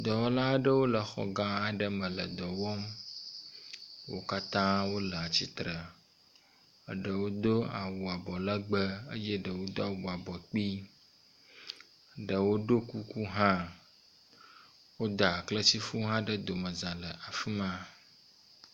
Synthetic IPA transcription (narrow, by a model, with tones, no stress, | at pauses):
d̪ɔ˨wɔ˦la˦ɖə˦wo˦lə˨xɔ̰˨ɡã˦a˨ɖə˦mə̃˨lə̰˨d̪ɔ˨wɔ˦m | wo̰˦ka˦t̪ã˦wo˦lə˨a˨t͡ɕi˦t̪ɾə˨ | ə˨ɖə˨wo˦d̪o˦a˨wu˨a˨bɔ˨lə˦ɡ͡bə˦ə̰˦jɛ˦ɖə˨wo˦d̪o˦a˨wu˨a˨bɔ˨k͡pi˦ | ɖə˨wo˦ɖo˦ku˦ku˦ɦã˦ | wo˦d̪a˨klə˦t͡ɕi˦fu˦ɦã˦ɖə˦d̪o˨mə̃˨zã˨lə˨ʔa˨fi˦mã˦